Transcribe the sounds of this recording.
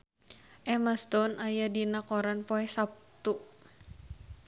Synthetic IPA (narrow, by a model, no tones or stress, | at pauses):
ʔɛmast̪ɔnajadinakɔɾanpɔɛsap̚t̪u